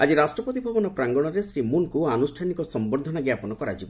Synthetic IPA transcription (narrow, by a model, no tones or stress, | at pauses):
ad͡ʒiɾasʈɾɔpɔt̪ibʱɔbɔnɔpɾaŋɡɔɽ̃ɔɾesɾimunkuanusʈʰanikɔsɔmbɔɾd̪ʱɔnɔɡjapɔnɔkɔɾa̰d͡ʒibɔ